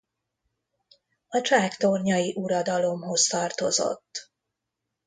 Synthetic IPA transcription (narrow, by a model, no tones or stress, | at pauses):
ɒt͡ʃaːkt̪orɲɒjiʔuɾɒd̪ɒlo̞mɦo̞st̪ɒrt̪o̞zo̰t̪ː